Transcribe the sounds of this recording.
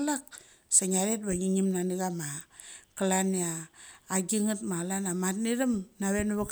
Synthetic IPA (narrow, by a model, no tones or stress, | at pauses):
lak̚ | saɲaɾet̚baŋiɲimnaniɡamakalaniaː | ɡiŋatmalanamatniɾamnaβenuβak